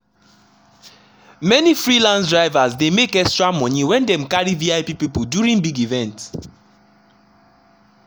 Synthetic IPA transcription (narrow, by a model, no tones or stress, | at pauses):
mɛnifɹilãnsdɹaɪvazdemekɛkstɹamɔniwɛ̃ndɛ̃mkaɹiviaɪpipipɔldjuɹĩŋbiɡivɛ̃nts